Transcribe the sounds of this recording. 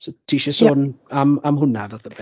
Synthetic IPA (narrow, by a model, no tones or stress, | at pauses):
sotʰiːʃɛsoːnamamɦʊnavəðəbɛ